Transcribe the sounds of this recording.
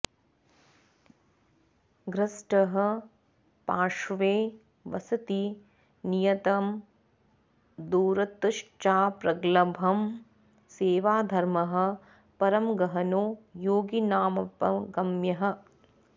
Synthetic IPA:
ɡɾɐsʈɐɦɐ | paːʂʋeː | ʋɐ̰sɐt̪i | nijɐt̪ɐm | d̪uːɾɐt̪ʂt͡ʃaːpɾɐɡlɐbʱɐm | seːʋaːd̪ʱɐɾmɐɦɐ̆ | pɐɾɐmɡɐɦɐnoːjoːɡinaːmɐpɐ̰ɡɐmjɐɦɐ̆

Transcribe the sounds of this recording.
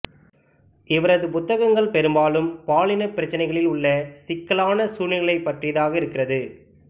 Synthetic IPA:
ɪʋɐɾɐðɯpʊt̪ːɐɣɐŋɡɐɭpɛɾɯmbaːlɯmpaːɭɪnɐpːɪɾɐt͡ʃːɐnɐɪɣɐɭɪlʊɭːɐsɪkːɐɭaːnɐsuːnɪɭɐɪpːɐʈrɪjɐðaːɣɐɪɾɯkːɪrɐðɯ

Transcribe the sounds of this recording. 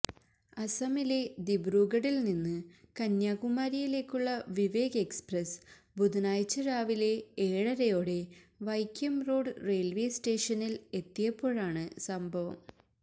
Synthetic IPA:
ɐsɐmile̞d̪ibruːɣɐɽilninːɨkɐnjaːɣumaːɾijile̞ːkʲːuɭːɐʋiʋe̞ːɡɐe̞ksprɐs | bud̪unaːjt͡ɕːɐɾaːʋile̞eːɻɐɾɐjo̞ːɽe̞ | ʋɐjkjɐmro̞ːɖɨre̞ːlʋe̞ːsʈe̞ːʂɐnile̞t̪ːijɐpːo̞ːɻaːɳɨsɐmbʱɐʋɐ̰m

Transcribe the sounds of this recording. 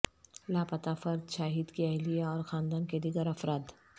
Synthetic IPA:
laːpɐt̪afɐɾd̪ʃaːɦiːd̪kiɐlijaɔːɾxaːnd̪aːnked̪ɪɡəɾɐfɾaːd̪

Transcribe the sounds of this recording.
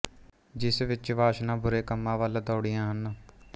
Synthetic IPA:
d͡ʒɪsʋɪt͡ʃʋaːʃnãːbʊɾeːkəmːãːʋaːlad̪oːɽɪjãːɦən

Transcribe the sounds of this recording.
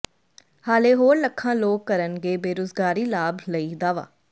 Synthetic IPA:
haːleːɦoːɾləkʰːãːloːkːəɾənɡeːbeːɾoːzɡaːɾiːlaːbləiːd̪aːʋa̰ː

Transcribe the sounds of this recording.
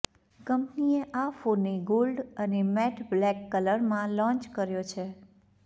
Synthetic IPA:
kəmpnieʔafonːeɡolɖənemɛʈʰblɛkːələɾmãlɔ̃t͡ʃkəɾjot͡ʃʰe

